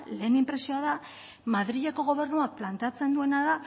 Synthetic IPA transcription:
le̞ːnimpɾe̞sio̞aða | maðɾiʎeko̞ɣo̞β̞e̞rnuaplant̪eat͡se̞nd̪ue̞naða

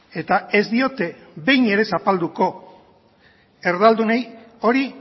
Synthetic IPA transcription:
e̞t̪ae̞zd̪io̞t̪e̞ | βe̞jne̞ɾe̞sapald̪uko̞ | e̞ɾðald̪unej | o̞ɾi

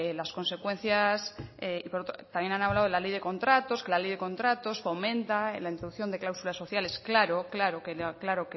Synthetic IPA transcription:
lasko̞nse̞kwẽ̞n̟θjaseipoot̪ɾot̪amje̞nanaβlaðoelale̞jðe̞ko̞nt̪ɾat̪o̞ske̞lale̞jðe̞kõ̞nt̪ɾat̪o̞sfo̞mẽ̞nt̪aḛnlaint̪ɾoðukθjo̞nd̪eklawsulasːo̞θjale̞sklaɾoklaɾokeklaɾoke

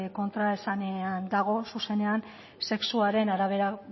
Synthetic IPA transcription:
ko̞nt̪ɾaesaneand̪aɣ̞o̞suse̞ne̞an | se̞ksuaɾe̞naɾaβ̞e̞ɾa

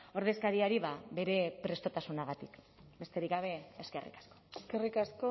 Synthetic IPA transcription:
o̞ɾðe̞skaɾiaɾiβaβe̞ɾe̞pɾe̞st̪o̞t̪asunaɣ̞at̪ik | be̞st̪e̞ɾikɡɡaβe̞ːske̞rʔḭkḁsko̞eskerikasko

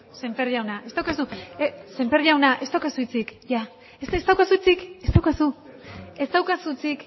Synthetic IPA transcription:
se̞mperiawnaʔe̞st̪awkasuese̞mperiawnaʔe̞st̪awkasuit͡sikʝa | esest̪awkasut͡sike̞st̪awkasue̞st̪awkasut͡sik

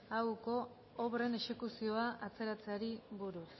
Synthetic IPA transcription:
awko̞ː | βre̞ne̞ʃe̞kusio̞aʔat͡se̞ɾat͡seaɾiβuɾus

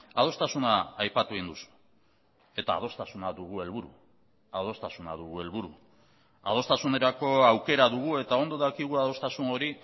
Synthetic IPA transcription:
að̞o̞st̪asunaːjpat̪ueind̪usu̥ | e̞t̪a̰ːð̞o̞st̪asunaðuɣue̞lβuɾṵ | að̞o̞st̪asuna̰ðuɣue̞lβuɾu | a̰ð̞o̞st̪asune̞ɾako̞awke̞ɾaðuɣ̞ue̞t̪ao̞nd̪o̞ðakiɣ̞uaðo̞st̪asuno̞ɾi

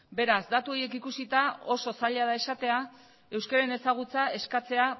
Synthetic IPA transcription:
be̞ɾazd̪at̪uo̞je̞kikusit̪ao̞so̞saʎaðae̞sat̪e̞a | e̞wskaɾaene̞saɣ̞ut͡sae̞skat͡se̞a

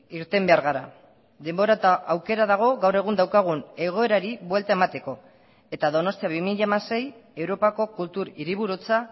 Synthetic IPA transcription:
iɾt̪e̞mbe̞aɾɣaɾa | ðe̞mbo̞ɾat̪aawke̞ɾaðaɣ̞o̞ɣawre̞ɣ̞und̪awkaɣ̞une̞ɣ̞o̞e̞ɾaɾiβwe̞lt̪ae̞mat̪e̞ko̞ | e̞t̪aðo̞no̞st̪iaβimiʎaemase̞je̞wɾo̞pako̞kult̪uɾiɾiβ̞uɾut͡sa

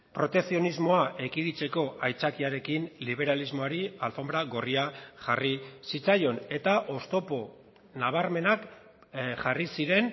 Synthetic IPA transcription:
pɾo̞t̪e̞ksio̞nizmo̞aʔe̞kiðit͡se̞ko̞ʔajt͡sakiaɾe̞kinliβ̞e̞ɾalizmo̞aɾialfo̞mbɾaɣo̞riaʝarisit͡sajo̞ne̞t̪aʔo̞st̪o̞po̞ | naβ̞aɾme̞nak | ʝarisiɾe̞n

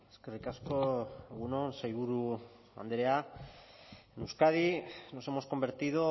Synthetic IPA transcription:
eskerikaskoeɣunonsejβuɾu | a̰nd̪eɾea | enuskað̞ino̞se̞mo̞sko̞mbe̞ɾt̪iðo̞

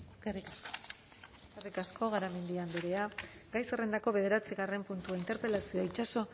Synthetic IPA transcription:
keri | kerikasko̞ɣ̞aɾame̞nd̪iambeɾe̞aɡajsere̞nd̪ako̞βe̞ð̞e̞ɾat͡siɣ̞are̞mpunt̪uaint̪e̞ɾpe̞lasioait͡ʃaso̞

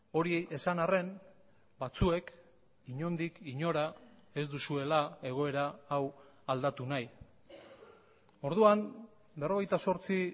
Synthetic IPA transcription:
o̞ɾiesanare̞n | bat͡sue̞k | iɲo̞nd̪ikiɲo̞ɾae̞zd̪usue̞lae̞ɣ̞o̞e̞ɾaːw | ald̪at̪unaj | o̞ɾðuam | be̞ro̞ɣ̞e̞jt̪aso̞ɾt͡si

